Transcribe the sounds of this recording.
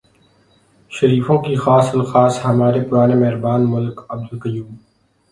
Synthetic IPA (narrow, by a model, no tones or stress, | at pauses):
ʃɐɾiːfõkixaːsəlxaːsɦɐmaːɾepʊɾaːnemɛɦɾbaːnmʊlkɐb̚d̪əlkɐjuːb